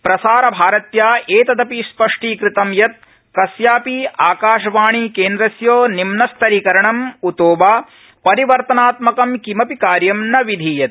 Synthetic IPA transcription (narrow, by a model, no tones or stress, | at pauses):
pɾɐsaːɾɐbʱaːɾɐt̪jaːeːt̪ɐd̪ɐpispɐʂʈiːkɾɪt̪ɐmjɐt̪̚ | kɐsjaːpiaːkaːʂɐʋaːɳikeːnd̪ɾɐsjoːnimnɐst̪ʰɐɾikɐɾɐɳɐmut̪oːbaː | pɐɾiʋɐɾt̪ɐnaːt̪mɐkɐmkimɐpikaːɾjɐmnɐʋid̪ʱiːjɐt̪̚